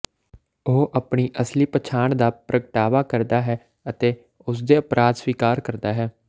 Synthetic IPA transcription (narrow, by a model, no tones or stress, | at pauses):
oːʔəpɳiːʔəsliːpət͡ʃʰaːɳd̪aːpɾəɡəʈaːʋaːkəɾd̪aːɦɛː | ət̪eː | ʊs̬d̪eːəpɾʔaːd̪sʋiːkaːɾkəɾd̪aːɦɛː